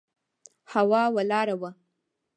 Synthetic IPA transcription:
hawɑwalɑɾawa

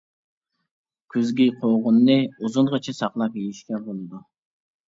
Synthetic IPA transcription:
kʲʰyzɡʲiqʰoʁʊnːɨuzunʁɑt͡ʃʰɛsɑqlˠɑpjejiʃkʲɛbolˠɨd̪u

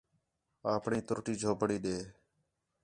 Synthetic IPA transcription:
aːpɳĩːt̪ʊɾʈiːd͡ʒʱoːbʱəɽiːɗeː

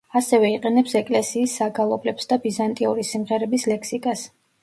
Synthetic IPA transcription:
asɛvɛiqʼɛnɛpsɛkʼlɛsiːsːaɡalˠɔblɛpsd̪abizant̪ʼiuɾisimʁɛɾɛbislɛkʰsikʼas

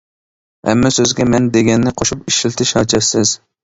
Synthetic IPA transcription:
hɛ̰mːɛsøzɡʲɛmɛnd̪eɡʲɛnːɪqʰoʃupiʃɪlɪt̪ʰɪʃhɑt͡ʃʰɛsɪz̥

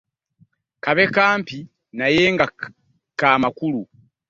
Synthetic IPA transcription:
kaβe̞kaːmpi | naje̞ːŋɡa | kaːmakulu

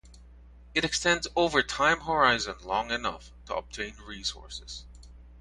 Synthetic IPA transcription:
ɨɾɨkstɛ̃ndzoʊvə˞tʰãɪ̃mɦə˞aɪzə̃nlɔ̃ŋɨnʌ̰f | tʰəə̰b̚tʰẽɪ̃nɹisɔ̰ɹsɨz̥

